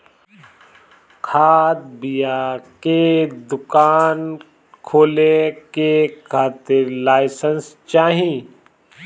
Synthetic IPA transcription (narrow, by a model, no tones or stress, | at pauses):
kʰaːd̪̚bɪjaked̪ʊkaːn | kʰoːlekekʰaːt̪ɪɾlaːɪsənst͡ʃaːɦĩ